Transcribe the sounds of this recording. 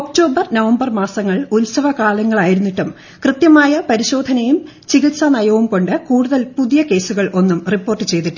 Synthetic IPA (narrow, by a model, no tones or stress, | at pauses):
ok̚ʈo̞ːbɐrnɐʋɐmbɐrmaːsɐŋːɐɭulsɐʋɐkaːlɐŋːɐɭaːjiɾunːiʈːum | krɨt̪jɐmaːjɐpɐɾiɕo̞ːd̪ʱɐnɐjum | t͡ɕiɣit̪sɐnɐjɐʋumko̞ɳɖɨkuːɽuðɐlpuðijɐke̞ːsuɣɐɭʔo̞nːumripːo̞ːrʈːɨt͡ɕe̞jt̪iʈː